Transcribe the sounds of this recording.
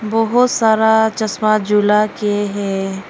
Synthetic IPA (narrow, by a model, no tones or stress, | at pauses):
bɔɦʊt̪saːɾat͡ʃɐsmad͡ʒulakeɦɛː